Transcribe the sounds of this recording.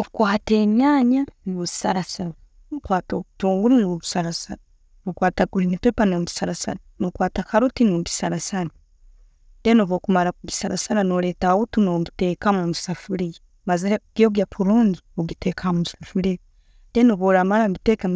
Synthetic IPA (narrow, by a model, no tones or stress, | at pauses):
oβukwaːteɲjaːɲanβuzi̥saɾasaɾa | ukwaːtoutuːŋɡuɾiiwoβusaɾasaɾa | βukwaːtaɡuɾinipepanomui̥saɾasa̰ɾanokwaːtakaɾotinoɡi̥saɾasaɾa | d̥enoβokumaɾakuɡisaɾasaɾanoɾetawotinomitekamumusafuɾije | maziɾeɡ̥ioɡjapʰuɾuːɲɟiβuɡitekʰamusafuɾe | d̥enoβoɾamaɾamitekam